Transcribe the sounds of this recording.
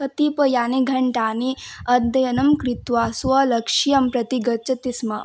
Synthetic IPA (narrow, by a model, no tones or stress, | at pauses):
ɐt̪ipɐjaːniɡʱɐɳʈaːniɐd̪ːɐjɐnɐmkɾit̪ʋaːsʋɐlɐkʂijɐmpɾɐt̪iɡɐt͡ʃɐt̪ismɐ